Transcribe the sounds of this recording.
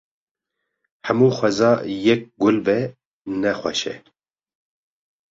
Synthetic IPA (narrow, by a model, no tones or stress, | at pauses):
hɛmuːxʷwɛzɑːjɛk̚ɡʊlbɛ | nɛxʷwɛ̰ʃɛ̰